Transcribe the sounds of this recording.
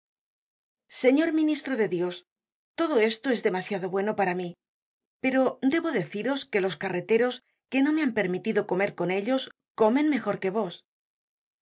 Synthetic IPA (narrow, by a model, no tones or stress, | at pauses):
se̞ɲo̞ɾmĩnist̪ɾoðe̞ðjo̞s | t̪o̞ðo̞e̞st̪o̞ezðemasjaðo̞βwe̞no̞paɾami | pe̞ɾo̞d̪e̞βo̞ðe̞θiɾo̞ske̞lo̞skare̞t̪e̞ɾo̞s | ke̞no̞me̞ampe̞ɾmit̪iðo̞ko̞me̞ɾko̞ne̞ʎo̞s | ko̞mẽ̞nme̞xo̞ɾke̞β̞o̞s